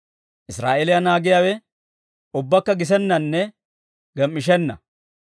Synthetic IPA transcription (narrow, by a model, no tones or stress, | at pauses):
ʔɪsɾa̰ːʔelɪjɐnaːɡɪjaːwɛ | ʊbːɐkːɐɡɪs̬ɛnːɐnːɛ | ɡɛmːɪʃɛnːɐ̰